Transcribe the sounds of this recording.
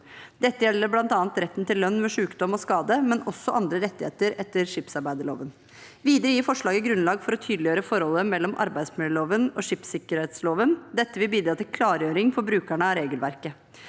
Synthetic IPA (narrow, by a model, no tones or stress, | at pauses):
d̪ɛt̪ːəjɛlːəɾblɑnt̪ɑːɑnt̪ɾɛt̪ːnt̪ɪlːœnːmɛʂʉːkd̪ɔmɔskɑːd̪əmɛnʔɔsːɔʔɑnd̪ɾəɾɛt̪ːɪhḛːt̪əɾɛt̪ːəɾʂɪpsɑɾbæɪd̪əɭo̰ːʋən | ʋiːd̪əɾəjiːfɔʂɭɑːɡəɡɾʉnlɑːɡfɔɾɔt̪ʰyːd̪lɪjøːɾəfɔɾhɔlːəmɛlːɔmʔɑ̰ɾbæɪsmɪləloːʋənɔʂɪpsɪkəɾheːt̪sloːʋənd̪ɛt̪ːəʋɪlbiːd̪ɾɑːt̪ɪlkʰlɑːɾjøːɾɪŋfɔɾbɾʉːkæɳəɑɾeːɡəlʋæ̰ɾkə